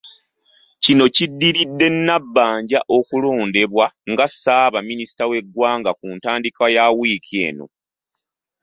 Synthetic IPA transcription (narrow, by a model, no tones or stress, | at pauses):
cino̞cidːiɾidːe̞nːabːaːɲɟaʔo̞kulo̞ːnde̞βwaŋɡasaːβaminisi̥tawe̞ɡwaːŋɡakuntaːndikajawikʰe̞̰ːno̞̰